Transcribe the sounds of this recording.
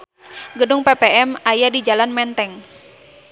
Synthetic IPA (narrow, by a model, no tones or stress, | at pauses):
ɡədʊŋpepeɛmajadid͡ʒalanmɛnt̪ɛŋ